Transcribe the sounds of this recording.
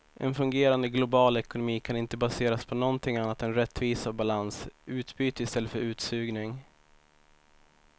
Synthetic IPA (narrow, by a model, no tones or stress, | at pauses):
ʔɛ̰nfɵŋɡeːɾand̪əɡlʊbɑːlɛkʊnʊmiːkʰanɪnt̪əbaseːɾaspʰɔnɔnt̪ʰɪŋanːat̪ɛnɾɛt̪ːviːsavbalansʉ̟ːt̪byːt̪əɪst̪ɛlːəfœɾʉ̟ːt̪sʉ̟ːɡnɪŋ